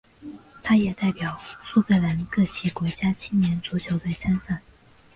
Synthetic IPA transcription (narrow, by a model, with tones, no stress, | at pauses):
t̪ʰa˥jɛ˨˩t̪a˥˩ɪpjɑ˨˩ʊsu˥˧kɤ˥˩la˧˥nkɤ˥˩t͡ɕʰi˧˥kwɔ˧˥t͡ɕja˥t͡ɕʰi˥njɛ˧˥nt͡su˧˥t͡ɕʰjo˧˥ʊpe˥˩ɪt͡sʰa˥nsa˥˩n